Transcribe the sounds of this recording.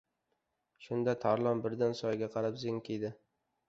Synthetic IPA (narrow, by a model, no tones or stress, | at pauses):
ʃʊnd̪at̪ʰaɾlˠɒmbɪɾd̪ansɒjɡʲaqʰɑɾapzɪŋkʲʰed̪ɪ